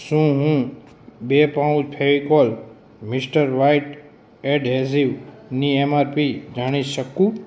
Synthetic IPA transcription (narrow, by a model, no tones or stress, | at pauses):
sũːɦũː | bepaũd͡ʒpʰeʋikol | mɪsʈəɾʋaiʈ | eɖɦeziʋniemaːɾpid͡ʒaːɽ̃iʃəkũː